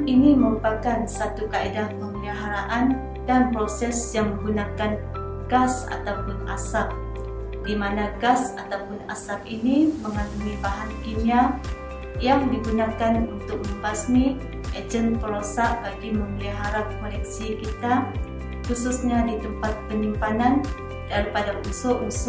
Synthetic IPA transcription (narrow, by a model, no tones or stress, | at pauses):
iniməɾupakansat̪ukaʔidapəməliɦaɾaʔan | danpɾosɛsjaŋməŋɡunakan | ɡasa̰t̪awpʊna̰sap̚ | dimanaɡasat̪awpʊna̰sap̚iniməŋalumibaɦankinia | jaŋdiɡunakanunt̪ʊk̚məmbasni | ʔad͡ʒən̚pəɾosaʔbaɡiməməliɦaɾat̪̚kolɛk̚sikit̪a | xususɲadit̪əmpat̪̚pəɲimpanan | d̥aɾipadamusʊʔmus